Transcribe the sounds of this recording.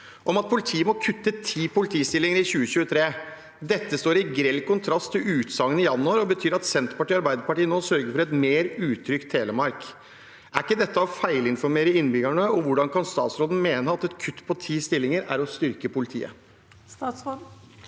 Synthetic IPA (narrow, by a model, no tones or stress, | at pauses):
ʔɔmɑt̪̚pʰʊlɪt̪ʰiːəmɔkʰʉt̪ːət̪ʰiːpʊlɪt̪ʰiːst̪ɪlɪŋəɾɪçʉːəɕʉːət̪ʰɾeː | d̪ɛt̪ːəst̪oːɾɪɡɾɛlkʊnt̪ʰɾɑst̪ʰːɪlʉːt̪sɑŋːənɪjɑnːʊɑɾɔbət̪ʰyːɾɑt̪sɛnt̪pɑʈiːɑɾbæɪd̪əɾpɑʈiːənoːsœɾɡəɾfɔɾɛt̪meːɾʉːt̪ʰɾʏkt̪ʰːeːləmɑɾk | ʔæɾɪkːəd̪ɛt̪ːəɔfæɪlɪnfɔɾmeːɾəɪnbʏɡæɳəɔʋʊɖɑnkʰɑnst̪ɑ̰ːt̪sɾoːd̪n̩meːnəɑt̪ɛt̪kʰʉt̪ːpʰɔt̪ʰiːst̪ɪlːɪŋəɾæ̰ɾɔst̪ʏɾkəpʊlɪt̪ʰḭːə̰ | s